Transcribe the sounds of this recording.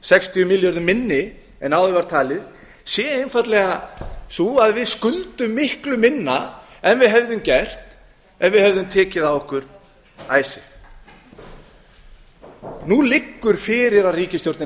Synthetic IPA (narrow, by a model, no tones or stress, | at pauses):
sɛkst̪ʰiʏmɪljɔɾðʏmːɪnːɪ | ɛnawðɪvaɾ̥t̪ʰaːlɪð | sjɛejnfat̪lɛɣasuːaðvɪðskʏlt̪ʏmːɪhklʏmɪnːa | ɛnvɪðɦɛvðʏmcɛr̥t̪ | ɛnvɪðhɛvðʏmt̪ʰɛːcɪðaɔhkʏɾ̥ | a̰ːjsɪθ | nulɪkːʏɾ̥fɪːɾɪɾaðriːcɪst̪jowɾt̪nɪ